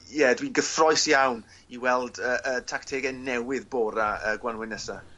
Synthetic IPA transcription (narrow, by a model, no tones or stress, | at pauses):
jɛdwiɡəθrɔɨsjawn | iwɛlˠdəːʔətʰaktʰeːɡɛnɛwɪðboːɾaəɡwanwɪnəsa